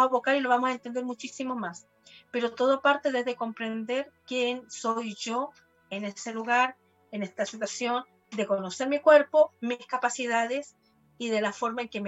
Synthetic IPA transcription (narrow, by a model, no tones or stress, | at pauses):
aβokaɾilo̞βamosaent̪e̞nd̪eɾmut͡ʃisimo̞mas | pe̞ɾo̞t̪o̞ðopaɾt̪e̞ðezðe̞ko̞mpɾe̞nd̪e̞ɾkje̞ŋso̞jʝo̞ | ene̞se̞luɣaɾ | ene̞st̪asit̪wasjo̞n | d̪e̞kono̞se̞ɾmikwe̞ɾpo̞miskapasiðaðe̞s | iðe̞lafo̞ɾmaeŋke̞me